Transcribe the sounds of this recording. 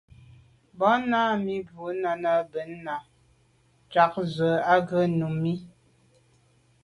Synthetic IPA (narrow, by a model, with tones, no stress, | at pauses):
bɔ˨˦na˦mi˦bu˨˦na˨na˦bə˨˦nː˦a˨ | t͡ʃa˨˦k̚zə˨˦a˦ɡə˦nu˨mi˦